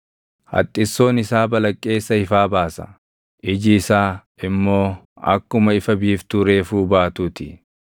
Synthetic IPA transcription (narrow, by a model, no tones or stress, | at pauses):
hɐ̰t̪ʼːɪsːo̞ːnɪsaːbɐlɐkʼːe̞ːsːɐhɪfaːbaːsɐ̰ | ʔɪd͡ʒɪːsaː | ɪmːo̞ː | ɐ̰kːʊmɐɪfɐbiːft̪uɾe̞ːfuːbaːt̪uːt̪ɪ